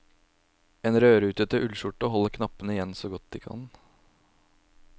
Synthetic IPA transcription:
eːnɾøːɾəʉːt̪ət̪əʔʉlʃʊʈːəɦɔlːəɾkʰnɑpənəɪjɛnsoːɡɔt̪̚d̪ḭːkʰɑ̰n

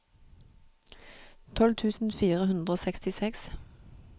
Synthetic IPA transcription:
t̪ʰɔlt̪ʰʉːsn̩fiːʁəhʉnd̪ʁəoːsɛkst̪ɪsɛks

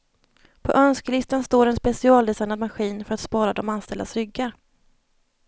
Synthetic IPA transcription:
pʰɔ̰ʔœnskəlɪst̪anst̪oːɾɛnspɛsɪɑːld̪ɛsajnad̪maɧiːnfœɾat̪spɑːɾad̪ɔmanst̪ɛld̪asɾʏɡːaɾ

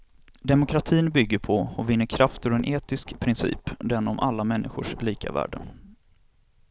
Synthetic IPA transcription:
d̪ɛmʊkʰɾat̪ʰiːnbʏɡːəɾpʰɔɔvɪnːəɾkʰɾaft̪əɾɛnʔeːt̪ɪskpʰɾɪnsḭːpd̪ɛnːɔmʔalːamɛnːʔɪɧʊʂliːkʰa̰væ̰ːɖə̰

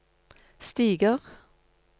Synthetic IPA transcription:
st̪iːɡəʁ

